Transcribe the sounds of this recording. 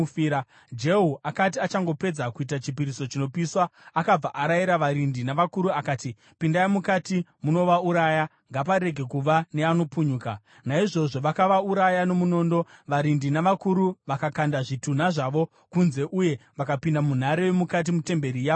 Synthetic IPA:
iɾa | d͡ʒe̞ɦuʔakatiat͡ʃaŋɡo̞pe̞d͡zakuitat͡ʃipiɾiso̞t͡ʃino̞piswaːkab͡vaʔaɾajiɾaʋaɾindinaʋakuɾuakaːti | pindaimukatimuno̞ʋauɾaja | ŋɡap̬aɾe̞ɡʱe̞kuʋane̞ano̞puɲuːka̰ | naiʐo̞ʐo̞ʋakaʋauɾajano̞muno̞ːndo̞ʋaɾindinaʋakuɾuʋakakandaʐitun̤aʐaʋo̞ | kunze̞ʔuje̞ʋakapindamun̤aɾewemukat̬imute̞mbe̞ɾijaːo

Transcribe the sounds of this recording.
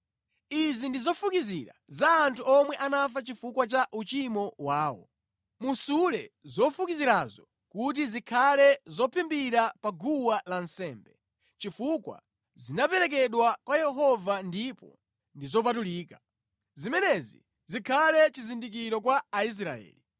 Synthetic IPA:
izindizɔfukiziɾa̰zaːntʰuɔmwɛʔanafat͡ʃifukwat͡ʃaʔut͡ʃimɔwaːwɔ̰ | musulɛzɔfukiziɾazɔ | kut̬izikʰalɛzɔpʰimbiɾapaɡuwalansɛːmbɛ | t͡ʃifukwa̰ | zinapɛɾɛk̬ɛɗwakwajɛɦɔvandipɔ̰ | ndizɔp̬atuliːka | zimɛnɛzi | zikʰalɛt͡ʃizindik̬iɾɔk̬waːis̬ɾaɛ̰ːli

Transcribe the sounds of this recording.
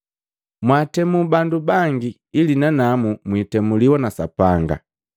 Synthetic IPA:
mwaːtɛmubandubaŋɡiː | linanamumwitɛmuliwanasapaŋɡa̰

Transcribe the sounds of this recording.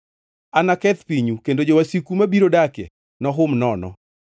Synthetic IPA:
anakɛt̪piɲukendod͡ʒowasikumabiɾodakɛ̰ | nɔɦʊmnɔnɔ̰

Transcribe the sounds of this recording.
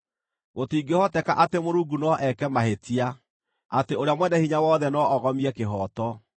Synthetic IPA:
ɣotiːɡehɔtɛkaʔatemoɾuːŋɡunɔʔɛkɛmahetʰia | ateoɾjamwɛnɛhiɲawɔːðɛnɔɔɣɔmiɛkeɦɔtɔ

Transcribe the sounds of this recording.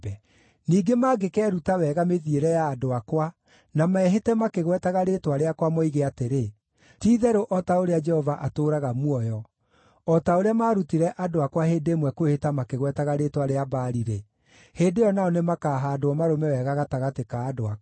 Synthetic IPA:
niːɡemaːɡekɛːɾutawɛɣameðieɾɛjaːdoakwa | namaɛɦetɛmakeɣwɛtaɣaɾetwaɾeakwamɔiɣeateɾe | tiːðɛɾoʔɔtaoɾead͡ʒɛhɔvaʔatoːɾaɣamwɔjɔ | ɔtaoɾeamaːɾutiɾɛʔadoakwaheːndemwɛkowehetamakeɣwɛtaɣaɾetwaɾeabaːɾiɾe | heːdejɔnaɔnemakaːɦaːdoɔmaɾomɛwɛɣaɣataɣatekaːdoa

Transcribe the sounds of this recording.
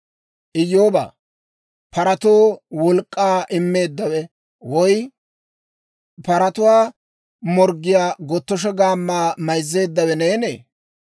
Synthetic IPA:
ʔɪjːoːba̰ː | pɐɾɐt̪oːwɔlkʼːaːʔɪmːe̞ːd̪ːɐwɛ | wɔj | pɐɾɐt̪ʊwaː | mɔɾɡːɪjaːɡɔt̪ːɔʃ̬ɛɡaːmːaːmɐjzːe̞ːd̪ːɐwɛneːnḛː

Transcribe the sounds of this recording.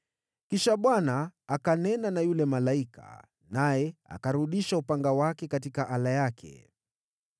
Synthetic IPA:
kiʃaɓwanaːkanɛnanajulɛmalaikʰa̰ | najɛa̰kaɾuɗiʃaupaŋɡawakɛkatikaʔalajakʰɛ̰

